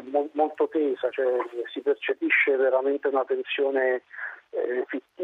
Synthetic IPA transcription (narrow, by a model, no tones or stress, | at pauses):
molmolt̪ot̪eːsat͡ʃɛsipert͡ʃepiʃːeveɾament̪eunat̪ːensjoːne | fit̪ːi